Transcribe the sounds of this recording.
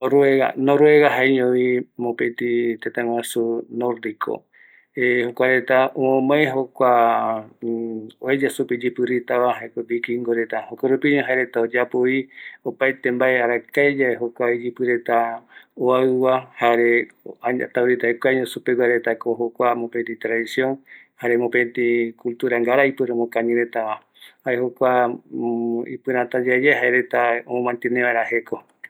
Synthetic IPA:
oɾueɣa̰noɾueɣaɦaeɲoimõpet̪it̪ẽt̪ãw̃ʷãsunoɾd̪ikʰo̰ | ehokʷaɾe̞t̪aõmãeɦokʷa | oed͡ʒasupid͡ʒipɨɾit̪aβaɦaekobikiŋɡoɾet̪ahokoɾupiɲõɦaeɾet̪aod͡ʒapoiopajt̪embaeaɾakaed͡ʒaeɦokʷaid͡ʒipɨɾe̞t̪aoaɨwahaɾe | aa̰t̪awɾit̪aekʷaɲõsupeɡwaɾet̪akoɦokʷamõpent̪ĩt̪ɾaðisjoŋ | haɾemopent̪ĩkult̪uɾaŋɡaɾaipɨɾamõkaɲĩɾet̪aβa | haehokʷa | ḭpɨɾãt̪ad͡ʒad͡ʒaɦaeɾet̪aomõmãnt̪enẽβaeɾaheko

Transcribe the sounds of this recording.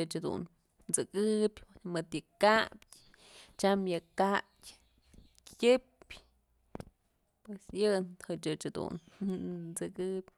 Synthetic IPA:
ɨt͡ʃhad̪ṵn | t͡sɨkɨbʲmɨt̪jɨkapʲ | t͡ʃamjɨkḁ | kʲɨpʲ | pwesjɨnhɨt͡ʃɨt͡ʃhad̪ṵn | t͡sɨkɨpʲ

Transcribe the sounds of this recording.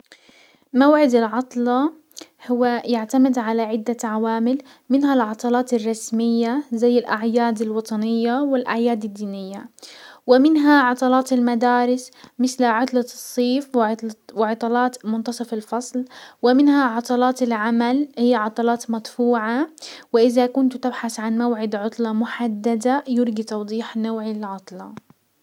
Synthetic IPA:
mawʕɪd̪ɪlʕɑt̪ˤlɑ | hʊwːajɪʕt̪amɪd̪ʕalaʕɪd̪ːaʕawaːmɪl | mɪnɦalʕɑt̪ˤɑlɑːt̪ɪrˤːɑsmɪjːazajːɪlʔaʕjaːd̪ɪlwɑt̪ˤɑnɪjːawɪlʔaʕjaːd̪ɪd̪ːiːnɪjːawɪmɪnɦaʕɑt̪ˤɑlɑːt̪ɪlmad̪aːɾɪsmɪθlʕʊt̪ˤlɑsˤːiːfwɪʕt̪lwɪʕɑt̪ˤɑlɑːt̪mʊnt̪ɑsˤɑfɪlfɑsˤlwɪmɪnaʕɑt̪ˤɑlɑːt̪ɪlʕamalhɪjːaʕɑt̪ˤɑlɑːt̪mat̪ˤfuːʕawɪʔɪðakʊnt̪t̪ɪbħaθʕanmawʕɪd̪ʕʊt̪ˤlɑmʊħad̪ːad̪ajʊɾɡit̪ɑwd̪ˤiːħnowʕɪlʕʊt̪ˤlɑ

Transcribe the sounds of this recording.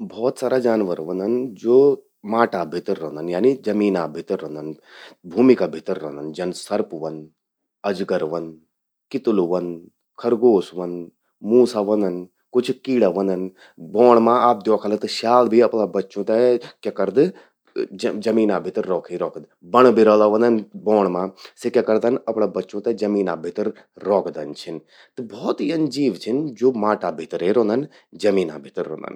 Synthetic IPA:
bʱɔːt̪saːɾad͡ʒaːnʋəɾʋɐnd̪ɐnd͡ʒoː | maːʈabʱɪt̪ɾːoːnd̪ɐnjaːnid͡ʒɐmiːnabʱɪt̪ɾːɐ̃nd̪ɐnbʱuːmikabʱɪt̪əɾːɐɦnd̪ɐnd͡ʒɐnsɐɾpʋɐn | ɐd͡ʒɡəɾʋɐn | kɪt̪uluʋɐn | kʰɐɾɡoːsʋɐn | mũːsaʋɐnd̪ɐn | kʊt͡ʃʰkiːɽaʋɐnd̪ɐn | bɔːɳmãːaːp̚d̪joːkʰalət̪ɐʃaːlbʱiɐpɽabɐtːʃõːt̪ɛkekəɾd̪ | d͡ʒɐmiːnãbʱɪt̪ɾːɔːkʰiɾɔːkʰd̪ | bɐɳ̃bʱiɾɔːlaːʋə̃nd̪ənbɔːɳ̃mãːsɪkakəɾd̪ənɐpɽ̃aːbɐtːʃõːt̪ɛd͡ʒɐmiːna̰ːbʱɪt̪əɾː | ɔːkʰd̪ənt͡ʃʰɪn | t̪ɐbɔːt̪iɐnd͡ʒiːʋt͡ʃʰɪnd͡ʒoːmaːʈaːbʱɪt̪ɾeɾõːnd̪ən | d͡ʒɐmiːna̰ːbʱɪt̪ɾːõ̰ːnd̪ə̰n

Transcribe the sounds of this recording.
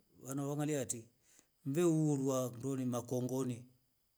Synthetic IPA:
wanawaŋaliati | m̩bɛuɾwandɔnimakɔŋɡɔni

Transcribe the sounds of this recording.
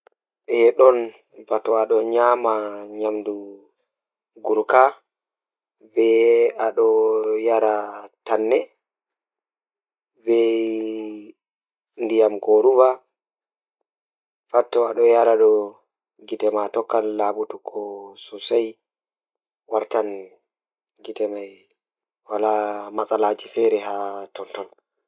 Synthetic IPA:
ɗɛɗɔn | batɔaɗɔɲaːmaɲamdu | ɡuɾka | bɛaɗɔjaɾatanːɛ | bɛ | ndijamɡoɾuva | fatːɔaɗɔjaɾaɗɔ | ɡitɛmatɔkːalːaːbutukʰɔsusaj | waɾtan | ɡitɛmaj | walamasʼalaːt͡ʃifɛɾɛɦatɔntɔn

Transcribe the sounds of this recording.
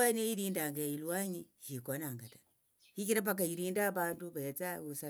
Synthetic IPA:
anaiɾindaŋɡailwaɲihikɔnaŋɡata | hikinap̬ak̬aiɾindabandupajat͡sausa

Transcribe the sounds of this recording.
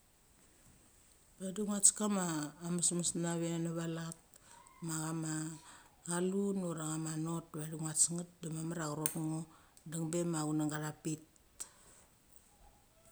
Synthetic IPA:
baduŋat͡ʃkamaːmasmasnaβenaβalat̚ | maɣamaɡalunuɾaɣamano̞t̚βaduŋat͡ʃŋat̚damamaɾaɣaɾotŋo | daŋbe̞maɡunaŋɡaɾapit

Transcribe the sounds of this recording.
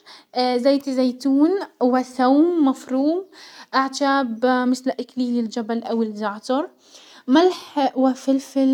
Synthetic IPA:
zajt̪zajt̪uːnwaθawmːafɾuːmʔaʕd͡ʒaːbmɪθlʔɪkliːlɪld͡ʒabalʔawɪlzaʕt̪ɑɾˤ | malħwafɪlfɪl

